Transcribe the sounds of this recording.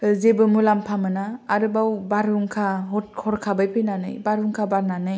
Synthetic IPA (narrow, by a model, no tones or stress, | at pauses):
zebɯmulampʰamɯnaːɾɯbawbaɾuŋkʰaɦɔt̚kʰɔɾkʰabajpʰenanɯ̰jbaɾuŋkʰabaɾnanɯj